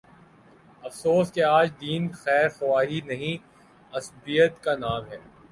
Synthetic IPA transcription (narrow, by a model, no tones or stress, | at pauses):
ɐfsoːskeaːd͡ʒd̪iːnxɛːɾxʊʋaːɦinɐɦĩ | ɐsbijət̪kanaːmɦɛː